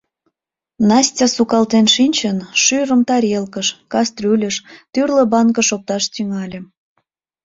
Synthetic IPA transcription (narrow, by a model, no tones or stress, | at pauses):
nɑsʲtʲɑsukɑlt̪enʃinʲt͡ɕənʃyɾəmt̪ɑɾʲelkəʃkɑst̪rylʲəʃt̪yrlə̆bɑŋkə̆ʃok̚t̪ɑʃt̪yŋɑlʲĕ